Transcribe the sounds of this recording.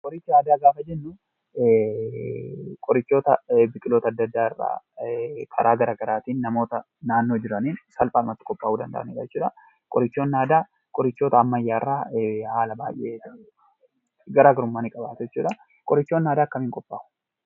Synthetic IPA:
kʼɔɾɪt͡ʃːɪnaːd̪aːɡaːfɐd͡ʒɛnːʊ | kʼɔɾɪt͡ʃːo̞ːt̪ɐbɪkʼɪlo̞ːt̪ɐd̪ːɐd̪ːaːɪrːa̰ː | kʰɐ̰ɾʔaːɡɐɾaːɡɐɾaːt̪iːnːɐmo̞ːt̪ɐ | naːnːo̞ːd͡ʒɪɾɐniːnsɐlpʼaːnʊmɐt̪ːɪ̥kʼɔpʼːaːuːd̪ɐnd̪ɐ̰ʔɐ̰neːᶑɐd͡ʒɛt͡ʃːuːᶑɐ | kʼɔɾɪt͡ʃːoːnːaːd̪aː | kʼɔɾɪt͡ʃːo̞ːt̪ɐːmːɐjːaːɪrːaːhaːlɐbaːjʔe | ɡɐɾaːɡɐɾʊmːaːnɪkʼɐbaːt̪ʊd͡ʒɛt͡ʃːuːᶑɐ | kʼɔɾɪt͡ʃːoːnːaːd̪aːkːɐmiːŋkʼɔpʼːaːʔ

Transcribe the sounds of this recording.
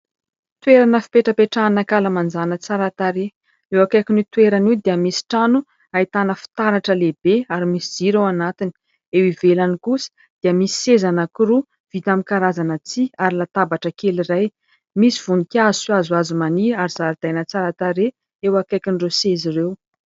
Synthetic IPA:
t̪weɾanəfi̥peʈ͡ʂəpeʈ͡ʂanakaləmand͡zanət͡saɾat̪aɾe | ewakajkʲinit̪weɾaniwd̪iəmisi̥ʈ͡ʂanu | ait̪anəfi̥t̪aɾaʈ͡ʂəlebeaɾimisid͡ziɾewanat̪ini̥ | ewivelanikusi̥ | d̪̥iəmisi̥sezanəkiɾu | v̥it̪amikaɾazanət͡siaɾilat̪abaʈ͡ʂəkeliraj | misiv̥unikazuswazwazumaniaɾizaɾid̪̥ajnət͡saɾat̪aɾe | ewakajkinrewsezirew

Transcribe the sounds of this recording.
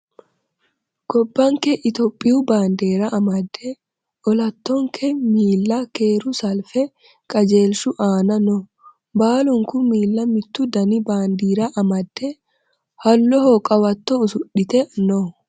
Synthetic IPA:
ɡ̥ɔbːɐŋkɛʔɪt̪ɔpʼːɪjubaːnd̪eːɾɐʔɐmɐd̪ːɛ | ʔɔlɐt̪ːɔŋkʰɛmiːlːɐkeːɾʊsɐlfɛ | kʼɐd͡ʒeːlʃʊʔaːnɐnɔ | baːlʊŋkʊmiːlːɐmɪt̪ːʊd̪ɐnɪbaːnd̪iːɾɐʔɐmɐd̪ːɛ | hɐlːɔhɔkʼɐwɐt̪ːɔʊsʊᶑːɪt̪ɛnɔ

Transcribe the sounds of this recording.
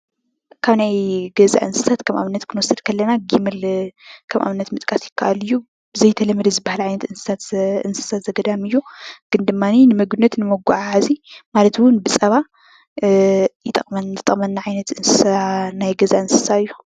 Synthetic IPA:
kʰaβnajɡɐza̰ʔɨnsɨ̥sat̪kʰɐmʔa̰βɨnːɐt̪kʰɨnwɔsɨd̪kʰɐlːɐnaɡimɐlkʰɐmʔa̰βɨnːɐt̪mɨt̪ʼkʼasjɪkʰːaʔalɨjːu | bɨzɐjt̪ʰɐlɐmːɐd̪ɐzɨbahalʕajnɐt̪ʔɨnsɨ̥sat̪ɨnsɨ̥sat̪zɐɡɐd̪amɨjːuɡ̥ɨnd̪ɨmːaninɨmɐɡunːɐt̪nɨmɐɡʷaʕaʕazimalɐt̪wʊnbɨt͡sʼɐβa | jɪt̪ʼɐχʼmɐnɨt̪ʼɐχʼmɐnːaʕajnɐt̪ɨnsɨsaanajɡɐzaɨnsɨ̥saɨjːu̥

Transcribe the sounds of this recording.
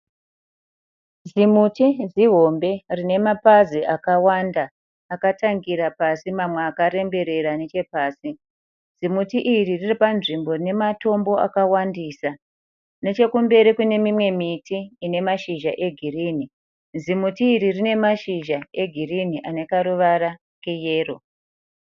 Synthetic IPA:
zimutiziɦo̞mbe̞rine̞mapaziakawandaː | kataŋɡiɾapasimamweakaɾe̞mbe̞ɾe̞ɾane̞t͡ʃe̞paːsi | z̥imutiʔiririripanʐimbo̞rine̞mato̞mbo̞a̰kawandiːsa | ne̞t͡ʃe̞kumbe̞ɾikune̞mimwe̞mitiːne̞maʃiʒaʔe̞ɡʱiriːni | zimutiːɾirine̞maʃiʒaeɡʱiriniʔanekaɾuʋaɾa | kejeːro̞

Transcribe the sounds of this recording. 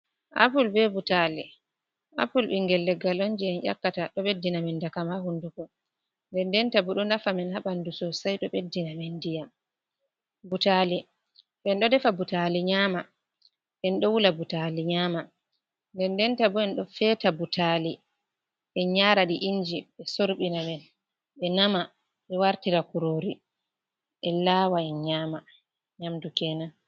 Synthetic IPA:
ʔa̰pulbɛbutali | ʔa̰pulɓiŋɡɛlːɛɡalond͡ʒiɛnʔa̰kːataɗɔɓedːinamɛndakamahundukɔ | ndɛndɛntabuɗɔnafamɛnhaɓandusɔsajɗɔɓedːinamɛndija | butali | ʔɛnɗɔdɛfabutaliɲaːma | ɓɛnɗɔwulabutaliɲaːma | ndɛndɛntabuɛnɗɔfɛːtabutʰali | ɛɲaɾaɗiʔind͡ʒiɓɛsoɾɓinamɛn | ɓɛnama | ɓɛwaɾtiɾakuɾoːɾi | ʔɛlaːwaɛnɲaːma | ɲamdukɛnan

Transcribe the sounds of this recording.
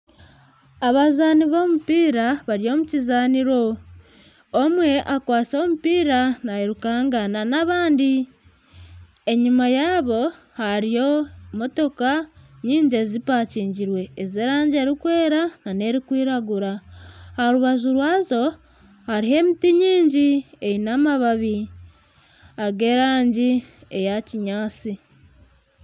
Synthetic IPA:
aβazaniβo̞ːmupiːɾaβaɾijo̞ːmucizaːniɾo̞ | mwe̞ʔakwaːt͡so̞ːmupiːɾanaeɾukaːŋɡananaβaːndi | eɲumajaːβo̞ | haɾijo̞mo̞to̞kaɲiːɲɟezipaːciːɲɟiɾwe̞ːzeɾaːɲɟe̞ːɾikwe̞ːɾanane̞ɾikwiːɾaɡuɾahaoɾuβaʒuɾwaːzo̞ | haɾiɦe̞ːmitiɲiːɲɟiejinamaβaβi | aɡe̞ɾaːɲɟiejaciɲaːt͡si

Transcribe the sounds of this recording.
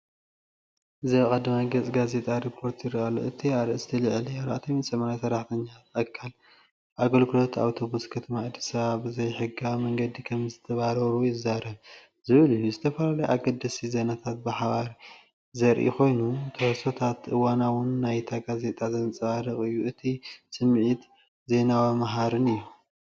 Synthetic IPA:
ʔɨziaβkʼad̪ɐmaɡɐt͡sʼɡaze̞t̪ʼaɾipʰːo̞ɾt̪ʰjɪɾaʔalːo̰ʔɨt̪ʰiaɾɨɨst̪ʰilɨʕlijaɾʔat̪ʰɐmisʼɐmɐɾajsɐɾaħt̪ʰɐɲːaɐkʰːal | ʔaɡolkʰɨlot̪ʰa̰wt̪ʰo̞βuskʰɐt̪ʰɐmaːd̪ːisɐβaβɨzɐjħɨɡamɐŋɡɐd̪ikʰɐmzɨt̪ʰɐβaɾɐɾujɪzaɾɐβ | zɨβɨlɨjːuzɨt̪ʰɐfɐlalɐjʔa̰ɡɐd̪ɨsizenat̪ʰat̪̚bɨħaβaɾ | zɐɾʔḭxo̞jnut̪ʰɐhsot̪ʰat̪ʔɨwanawʊnːajt̪ʰaɡaze̞t̪ʼazɐnt͡sʼɨβaɾɨχʼɨjːuʔɨt̪ʰisɨmʕit̪ | ze̞nawamaɦaɾɨnɨjːu

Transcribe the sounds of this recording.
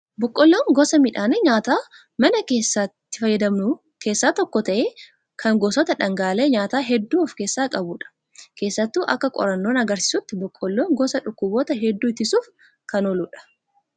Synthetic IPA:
bɔkʼːɔlːoːŋɡɔsɐmɪᶑaːneɲaːt̪aː | mɐnɐke̞ːsːat̪ːɪfɐjːɐd̪ɐmnʊ | ke̞ːsːaːt̪ɔkːɔt̪ɐʔeː | kʰɐŋɡoːsɔːt̪ɐᶑɐŋɡaːle̞ːɲaːt̪aːɦɛd̪ːuːɔfke̞ːsːaːkʼɐbuːᶑɐ̥ | ke̞ːsːɐt̪ːuːʔɐkːɐkʼɔ̰ɾɐnːo̞ːnɐɡɐɾsɪ̥sʊt̪ːɪbʊkʼːɔlːoːŋɡɔsɐᶑʊkːʊboːt̪ɐɦɛd̪ːuːɪt̪ɪsuːf | kɐnɔluːᶑɐ̥

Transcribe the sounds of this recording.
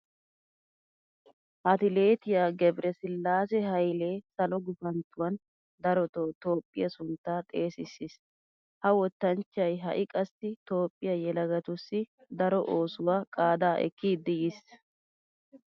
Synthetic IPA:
ʔɐt̪ɪle̞ːt̪ɪjaɡɛbɾɛsɪlːaːs̬ɛɦɐjle̞ːsɐlɔɡʊfɐnt̪ːʊwɐn | d̪ɐɾɔt̪ot̪o̞ːpʼːɪ̰jɐsʊnt̪ːaːt̪ʼe̞ːsɪsːis | hɐwɔt̪ːɐnt͡ʃɐjɦɐ̰ʔɪkʼɐst̪ɪt̪o̞ːpʼːɪjɐjɛlɐɡɐt̪ʊsːɪ | d̪ɐɾɔʔo̞ːsʊwaːkʼaːd̪aːʔɛ̰kʰːiːd̪ːɪjɪs

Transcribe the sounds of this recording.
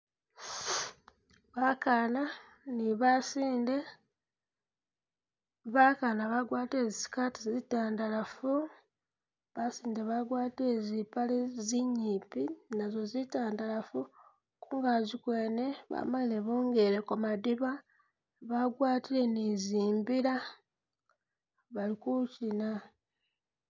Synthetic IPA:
βakana | niβasiːnde̞ | βakanaβaɡwaːteːzisi̥katizitaːndalafu | βasiːndeβaɡwaːte̞zipaleziɲiːpinazo̞zitaːndalafu | kuːŋɡazikweːne̞βa̰malileβoːŋɡe̞ɾekomadiβa | βaɡwaːtile̞niziːmbiɾa | βalikucina

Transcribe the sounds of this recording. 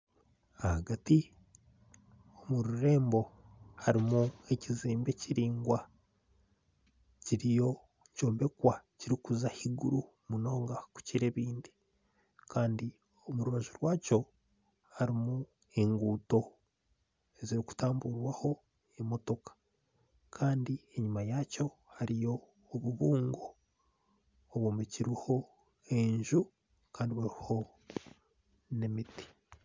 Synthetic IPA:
ahaɡati | omuɾuɾe̞ːmbo̞haɾimue̞ciziːmbe̞ciɾiːŋɡwa | ciɾijo̞ | ɲco̞ːmbe̞kwaciɾikuzahiɡuɾu | muno̞ːŋɡaku̥ciɾe̞βiːndi | kaːndi | omuɾuβaʒuɾwaːco̞ | haɾimu | eŋɡuːto̞ | eziɾiku̥taːmbuɾwaho̞ | emo̞to̞kḁ | kʰaːndie̞ɲumajaːco̞ | haɾijo̞ː | βuβuːŋɡo | βwoːmiciɾiho̞ | e̞ɲʒu | kaːndiβaɾiho̞ | nemiti̥

